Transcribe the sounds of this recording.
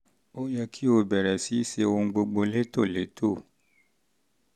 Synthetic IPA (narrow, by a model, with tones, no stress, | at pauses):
o˦jɛ˧kʰi˦o˧bɛ˨ɾɛ˨si˨˦se˧wo˧ŋ̩˦ɡ͡bo˧ɡ͡bo˧le˦to˦˨le˨˦tʰo˦˨